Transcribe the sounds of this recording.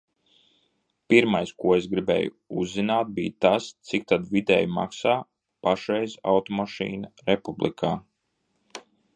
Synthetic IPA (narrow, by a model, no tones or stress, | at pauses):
piɾmajskuɔesɡɾibɛ̰ːju | uzːinaːt̪̚bḭːt̪ast̪sik̚t̪ad̪vid̪ɛ̰ːjma̰ksaː | paʃɾɛjza̰wt̪ɔmaʃḭːnɐɾɛpublˠḭkʰaː